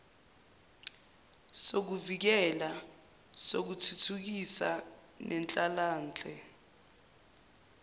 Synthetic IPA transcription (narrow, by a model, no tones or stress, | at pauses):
sok̬uvik̬ɛla | sok̬utʰutʰuk̬isa | nʔɛnt͡ɬʼalaːnd͡ɮʱɛ